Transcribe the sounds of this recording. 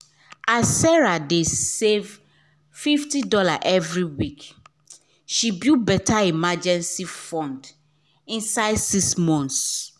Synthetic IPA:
asːɛɹadesev | fiftidɔlaʔɛvɹiwik | ʃibjubɛtʰaimad͡ʒɛ̃nsifɔ̃nd | ĩnsaɪdsiksmɔ̃ns

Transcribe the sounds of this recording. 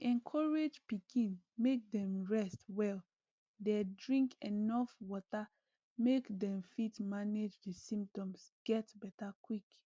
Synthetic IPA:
ɛ̃nkʰɔɹed͡ʒpikʰĩn | mek̚dɛ̃mɹɛstwɛl | dedɹĩŋkenɔfwɔta | mekdɛ̃mfitmaned͡ʒdisĩmp̚tɔ̃msɡ̥ɛtbɛtakwik

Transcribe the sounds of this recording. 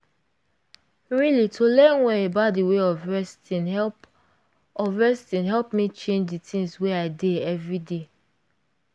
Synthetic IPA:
ɹilitʰolɛ̃nwɛebaʊtdiweɔvɹɛstĩnɛp | ɔvɹɛstĩnɦɛlpmit͡ʃẽnd͡ʒditʰĩŋsweaɪdeɛvɹide

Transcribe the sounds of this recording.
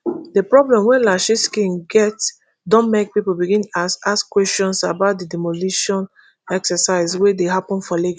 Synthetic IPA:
dəpɹɔblɛ̃mwɛ̃nlaʃiskĩnɡɛts | dɔ̃nmek̚pipolbiɡĩnasaskwɛstɔ̃nsabaʊt̚dədɛmoliʃɔ̃n | ɛksəsaɪzwedeɦapɔ̃nfɔlɛɡ

